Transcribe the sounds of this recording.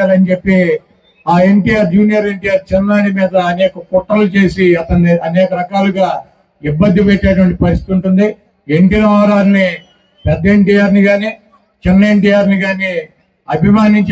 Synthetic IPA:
aːlɐnit͡ʃe̞pːi | aːe̞ɳʈijaːɾd͡ʒuːnijɐɾe̞ɳʈijaːɾt͡ʃɛnnaːɽimiːd̪ɐːnɛːkɐkɔʈːɾɐlut͡ʃe̞ːsiɐt̪ɐnɐnɛːkɐɾɐkaːluɡaː | ibːɐnd̪ʱːipeʈːɛːʈ̬ɐʋɐɳʈipɐɾist̪it̪uɳʈund̪i | eɳʈinɐʋaɾaːɾni | pɛd̪ːɐeɳʈiːjaːɾniɡaːniː | t͡ʃenːe̞ɳʈijaːɾniɡaːni | ɐbʱimaːniɲt͡ʃ

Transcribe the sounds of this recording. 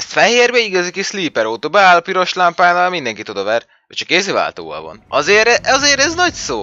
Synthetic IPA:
ɛst̪fɛheːrbɛiɡɒzikisliːpɛɾoːt̪oːbɛaːlpiɾo̞ʃlampaːnaːlmind̪ɛŋkit̪od̪ɒvɛr | ɒct͡ʃɒ̥kːeːseːva̰ːlt̪o̰ːvɒ̰lvɒ̰nɒzeːɾɛʔɒzeːɾɛznɒcsoː

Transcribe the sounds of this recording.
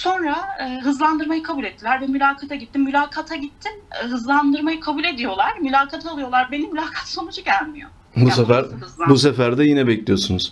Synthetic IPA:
so̞nɾaɯːɦɯzlˠand̪ɯɾmajɯkʰabulʲɛt̪ʰːilʲæɾvɛmylʲaːkʰat̪ʰaɟit̪ʰːimmylʲaːkʰat̪ʰaɟit̪ʰːinɦɯzlˠand̪ɯɾmajɯkʰabuːlʲe̞d̪ijo̞lˠaɾ̥mylʲaːkʰat̪ʰaːlˠɯjo̞lˠaɾbe̞nimylʲaːkʰat̪so̞nud͡ʒuɟælʲmijo̞̰ | busefæɾɯzlˠbusefæɾd̪ɛjinɛbɛclʲijo̞sunuz̥

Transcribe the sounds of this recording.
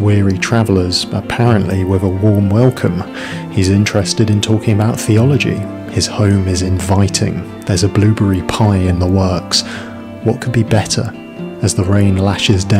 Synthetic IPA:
wɪəɹitʰɹ̥avlə˞z̥əpʰaɹə̃nʔliwɪðəwɔɹmwɛlˠkʰə̃m | hizɪ̃nt͡ʃɹ̥ɛstɨɾɨ̃ntʰɔˑkɪ̃ŋəbaʊt̪θiɑlˠəd͡ʒḭ | ɪz̥hõʊ̃mɪzɪ̃ɱvaɪtʰɪ̰̃ŋ | ðə˞zəblʉːbəɹipʰaɪɪ̃nðəwɜˑ˞ks | wɒʔ̚kʰəbibɛtə̰˞ | əzðəɹẽɪ̃nlaʃɪzdã

